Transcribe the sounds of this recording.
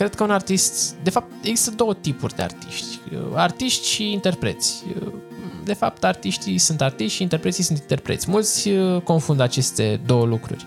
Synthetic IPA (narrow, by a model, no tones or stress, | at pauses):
kɾe̞d̪̥̚kəunart̪ist̪d̪e̞fap̚t̪e̞ɡzist̪əd̪o̞wət̪ipurʲd̪ḛa̰rt̪iʃt̪ʲə̰art̪iʃt̪ʲʃiint̪e̞rpɾe̞̰t̪sʲə | d̪e̞fa̰p̚t̪art̪iʃt̪isunt̪art̪iʃt̪ʃint̪e̞rpɾet̪sisunt̪int̪e̞rpɾet̪sʲmult̪sʲəko̞nfund̪at͡ʃe̞st̪e̞d̪o̞wəlukɾṵrʲ